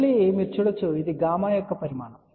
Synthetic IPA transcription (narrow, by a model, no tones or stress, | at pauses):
ɭieːmirt͡ɕːuɽut͡ɕːuiðɨɡaːmaːjokːepɐɾima̰ːɳɐm